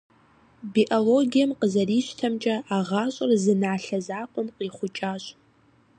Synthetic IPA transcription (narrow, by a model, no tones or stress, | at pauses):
biːʔoloːɡijɐmqəzɐriːɕtʰɐmt͡ʃʼɐʔaːʁɑːɕʼɐrzɨnaːɬɐzaːqʷʼɔmqiːχʷʊt͡ʃʼaːɕʼ